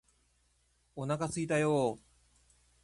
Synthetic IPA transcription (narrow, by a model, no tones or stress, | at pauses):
onakasɨit̪ajoː